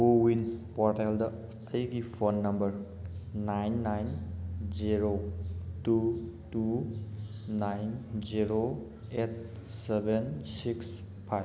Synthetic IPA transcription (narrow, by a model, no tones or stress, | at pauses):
uwinpɔɾteldɐː | jɡipʰonːɐmbəɾ | najnːajnd͡ʒiɾotutu | najnziɾo | et̚ | sebensiks | pʰaj